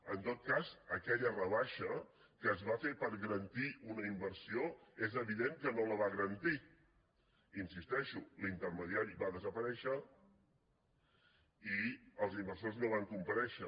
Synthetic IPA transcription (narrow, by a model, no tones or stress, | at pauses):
ənt̪ot̪̚kazəkɛʎərəβ̞aʃə | kəːzβafepəɾɣəɾənt̪iunəimbəɾsioezəβiðeŋkənoləβaɣəɾənt̪i | insist̪ɛʃulint̪əɾməðiaɾiβaðəzəpəɾɛʃə | iəlˠzimbəɾsoznoβ̞aŋkumpəɾɛʃə